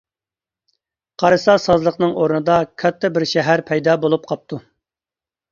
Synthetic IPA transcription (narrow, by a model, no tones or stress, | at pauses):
qʰɑɾɨsɑsɑzlˠəqnɨŋoɾnɨd̪ɑkʲʰɑt̪ʰːɛbɪɾʃɛɦæɾpʰɛjd̪ɑbolˠup̚qʰɑp̚t̪ʰu